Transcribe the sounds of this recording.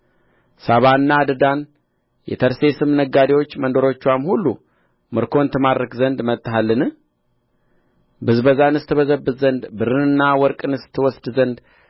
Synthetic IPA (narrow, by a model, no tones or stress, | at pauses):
saβaɨnːad̪ɨd̪an | jɛ̰t̪ʰəɾse̞sɨmnəɡad̪iwo̞t͡ʃːmənd̪o̞ɾo̞t͡ʃːuamhulːu | mɨɾkʰo̞nt̪ʰɨmaɾɾəkzənd̪mət̪ʼːɦalːɨnɨ | bɨzbəzanɨst̪ʰɨβəzəbːɨzzənd̪bɨɾɨnɨnːawɔɾkʼɨnɨst̪ʰːɨwɔsd̪zənd̪